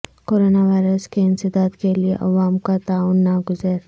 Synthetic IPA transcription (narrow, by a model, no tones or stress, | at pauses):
koːɾoːnaʋaːɪɾəskeɪ̃nsɪd̪aːd̪keliḛʔɐ̰ʋaːmkat̪aːʊnːaɡʊzəɾ